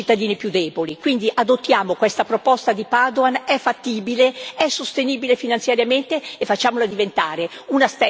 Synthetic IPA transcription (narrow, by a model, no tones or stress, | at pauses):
it̪ːad̪iːnipjud̪ɛːbolikwind̪iʔad̪ot̪ːjaːmokwest̪apɾopɔst̪ad̪ipad̪oanɛfːat̪ːiːbileɛsːost̪eniːbilefinant̪sjaɾjament̪eefat͡ʃːaːmolad̪ivent̪aːɾe | unast̪ɛ